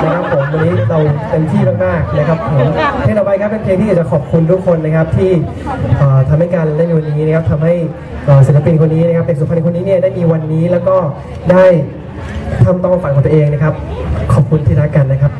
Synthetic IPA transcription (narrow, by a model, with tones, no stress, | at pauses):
na˦˥kʰa˦˥pʰːu˨˩˦mwa˧niː˦˥ɾa˧wt̪e˧nt̪ʰiː˥˩maː˥˩k̚maː˥˩k̚na˦˥kʰa˦˥p̚pʰɔ˩˦˥ɾa˧wba˧˦˥kʰa˦˥pːe˧npʰeː˧t̪ʰiː˥jt͡ɕa˨˩kʰɔː˨˩p̚kʰu˧nt̪ʰuː˦˥˩kʰo˧nːa˦˥kʰa˦˥p̚t̪ʰiː˥˩ | ʔɤː˨˩t̪ʰa˧mha˥˩jka˧nlaː˦˥˩miː˧wa˧nːiː˦˥na˦˥kʰa˦˥p̚t̪ʰa˧mha˥˩j | ʔəː˨˩s̬i˨˩˦la˧pi˧nkʰo˧nːiː˦˥na˧˥kʰa˥p̪̚ːe˨˩su˨˩pʰa˧nː˧˩kʰo˧nːiː˦˥ni˥˩ɐda˥˩jmiː˧wa˧nːiː˦˥lɛː˦˥wkɔː˥˩ | daː˥˩j | t̪ʰaː˥˩mt̪ɔ˥˩ŋʔa˧˩fa˨˩ŋʰkɔ˨˧ŋt̪u˧ʔeː˧ŋna˦˥kʰa˦˥p̚kʰɔː˨˩p̚kʰu˧nt̪ʰiː˥˩ɾaː˦˥ka˧nːa˦˥kʰa˦˥p̚